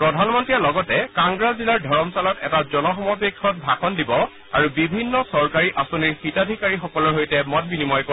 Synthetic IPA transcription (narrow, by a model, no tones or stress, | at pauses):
pɹɔdʱanmɔntɹijalɔɡɔtɛkaŋɡɹazzilaɹdʱɔɹɔmsalɔtɛtazɔnɔxɔmɔbekʰːɔt̚bʱaxɔndibɔ | a̰ɹubibʱinːɔsɔɹkaɹiʔasoniɹxitadʱikaɹixɔkɔlɔɹɦojtɛmɔt̚binimɔjko